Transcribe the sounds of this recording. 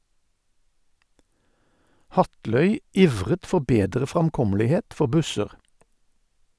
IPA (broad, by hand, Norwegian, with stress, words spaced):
ˈhɑtlœʏ ˈiːʋʁət ˈfɔʁ ˈbeːdʁə ˌfʁɑmˈkɔməlɪheːt ˈfɔʁ ˈbʉsəʁ